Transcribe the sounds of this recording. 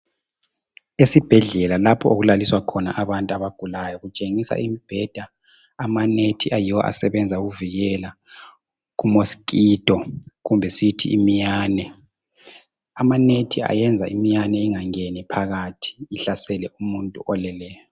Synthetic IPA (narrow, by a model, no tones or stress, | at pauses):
esib̥ʱɛɮɛlalapʰɔoɣulaliswakʰɔna̰ʔaβantʼuaβaɡ̥ʱulajɔɣut͡ʃʼeŋisa̰ʔimib̥ʱɛd̥ʱa | amanetʰiʔajiwɔ̰ʔa̰sɛβɛnd͡zʱauɣuviɣɛla | ɣumosi̥kʼiːd̥ʱɔɣumbʱɛsitʰḭḭmijaːnɛ | amanetʰia̰jɛnd͡zʱaʔimijanɛiŋaŋenipʰaɣatʰi̥ːɬasɛlɛumuntʼṵʔɔlɛlɛːjɔ